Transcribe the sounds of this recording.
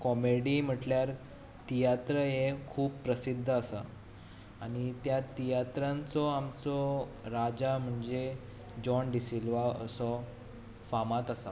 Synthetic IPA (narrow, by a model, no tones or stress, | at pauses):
kɔmeɽim̤əʈljaɾ | t̪ijat̪ɾəɦekʰuːpːɾəsid̪ʱːəasa | añit̪jat̪ijat̪ɾãnt͡sɔamt͡sɔ | ɾad͡ʑam̤əɳd͡ze | d͡ʑɔnɖ̪isilʋaə̰sɔ | famat̪asa